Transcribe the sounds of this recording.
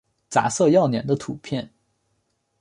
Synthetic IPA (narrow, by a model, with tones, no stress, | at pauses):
t͡sa̰˧˥sɤ˥˧jɑ˥˩ʊnjɛ̰˨˩nd̪ə˦t̪ʰu˨˩pʰjɛ˥˩n